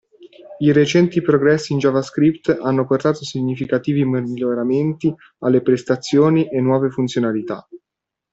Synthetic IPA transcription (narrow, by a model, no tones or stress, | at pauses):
iɾet͡ʃɛnt̪ipɾoɡɾɛsːiːnd͡ʒɔvaskɾipt̪anːoport̪aːt̪osiɲːifikat̪iːvimiʎːoɾament̪i | alːepɾest̪at̪sːjoːniʔenːwɔːvefunt̪sjonalit̪a̰